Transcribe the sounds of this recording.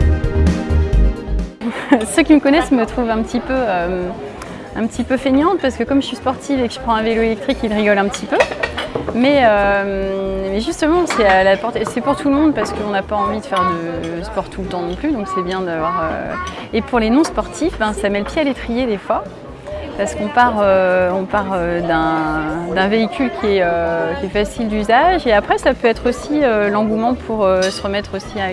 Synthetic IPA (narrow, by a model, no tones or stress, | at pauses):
søkʲiməkɔnɛsmət̪χuvɛ̃pət̪ipøøm | ɛ̰̃pət̪ipøfenjɑ̃t̪paʁsə̥kəkɔmʒəsɥispɔʁt̪ifekəʒ̥ə̥pχɑ̃ɛ̃veloelɛk̚t̪χikilʁiɡɔlɛ̃pət̪ʰipø | mɛømmɛʒyst̪əmɑ̃sɛalapɔʁt̪sɛpuʁt̪ulmɔ̃d̪paʁsə̥kəɔ̃napaɑ̃vid̪əfɛʁd̪əspɔʁt̪ʰult̪ɑ̃nɔ̃plyd̪ɔ̃ksɛbjɛ̃d̪avwaʁø̰epuʁlenɔ̃spɔʁt̪ʰifbɛ̃samɛləpjealet̪χijed̪efwa | paʁsə̥kɔ̃paʁøɔ̃paʁød̪ɛ̃d̪ɛ̃veikʲylkʲʰiɛøkʲiɛfasild̪yzaʒeapχɛsapøɛt̪χosiølɑ̃ɡumɑ̃pʰuʁøsəʁəmɛt̪χosia